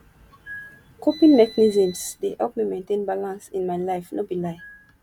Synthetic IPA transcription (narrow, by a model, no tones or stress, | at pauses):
kʰopĩnmɛknizĩmsdehɛ̰lpmimẽntẽnbalãnsĩnmaɪlaɪfnobilaɪ